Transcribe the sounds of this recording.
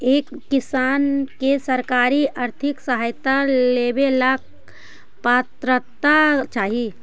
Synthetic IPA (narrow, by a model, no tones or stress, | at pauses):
eːkːɪsaːnkesəɾkaːɾiʔaɾt̪ʰɪksəɦaːjt̪aleːbelak̚ | paːt̪ɾət̪at͡ʃaːɦi